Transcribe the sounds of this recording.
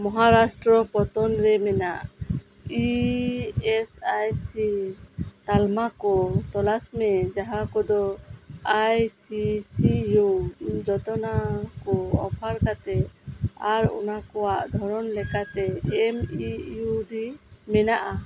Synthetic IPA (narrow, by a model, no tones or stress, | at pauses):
mɔɦaɾasʈɾɔpɔt̪ɔnɾɛmɛnaʔ | i | ɛsajsi | t̪almakɔt̪ɔlasmɛd͡ʒaɦakɔd̪ɔajsisijud͡ʒɔt̪ɔnakɔɔpʰaɾkat̪ɛaɾɔ̰nakɔwaʔd̪ʱɔɾɔnlɛkat̪ɛːmijuɖimɛnaʔa